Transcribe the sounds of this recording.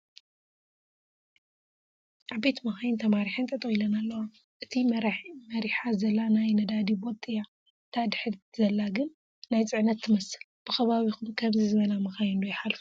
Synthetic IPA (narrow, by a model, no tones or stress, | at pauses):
ʔabet̪mɐxajnt̪ʰɐmaɾiħɨnt̪ʼɐt̪ʼɐilɐnalːɐwa | ʔɨt̪ʰimɾmɐɾiħazɐlːanajnɐd̪ad̪ibot̪ʼɨja | t̪ʰad̪ɨħɨɾzɐlːaɡɨnː | ajt͡sʼɨʕnɐt̪ʰːɨmɐsɨ̥lb̥ɨxɐβaβixumkʰɐmzizɨβɐlamɐxajndujħalfu̥